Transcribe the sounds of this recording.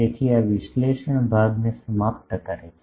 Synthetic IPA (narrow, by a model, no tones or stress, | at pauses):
et̪ʰiaʋɪʃleːʃəɳ̃bʱaːɡnesəmaːp̚t̪əkəɾe